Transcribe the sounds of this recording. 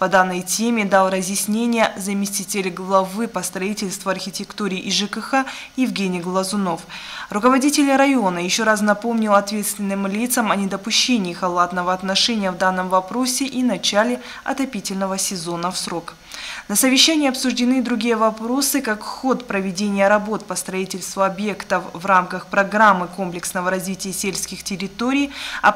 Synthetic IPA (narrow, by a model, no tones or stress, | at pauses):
pɐd̪anːəjtʲemʲɪd̪alˠrəzʲjɪsʲnʲenʲɪjəzəmʲɪsʲtʲitʲɪlʲɡlˠɐvɨpəst̪ɾɐitʲɪlʲst̪vʊɐrxʲɪtʲɪkt̪uɾʲɪːʔɪʐɨkɨxa | jɪvɡʲenʲɪjɡlˠəzʊnofrʊkəvɐdʲitʲɪlʲɾɐjo̞nəjɪɕːo̞ɾas̬nɐpo̞mnʲɪlˠɐt̪vʲe̞t̪st̪vʲɪnːɨmlʲit̪səmɐnʲɪd̪əpʊɕːenʲɪːxɐlˠat̪nəvəɐt̪nɐʂɛnʲɪjəvd̪anːəmvɐpɾo̞sʲɪʔinɐt͡ɕælʲɪ | ɐ̰t̪ɐpʲitʲɪlʲnəvəsʲɪzo̞nəfsɾo̞k | nəsəvʲɪɕːænʲɪjɐpsʊʐdʲɪnɨd̪ɾʊɡʲijəvɐpɾo̞sɨkakxo̞t̪pɾəvʲɪdʲenʲɪjəɾɐbo̞t̪pəst̪ɾɐitʲɪlʲst̪vʊɐbje̞kt̪əfvramkəxpɾɐɡɾamːɨko̞mplʲɪksnəvəɾɐzvʲitʲɪjəsʲelʲsʲkʲɪxtʲɪɾʲɪt̪oɾʲɪjɐ̰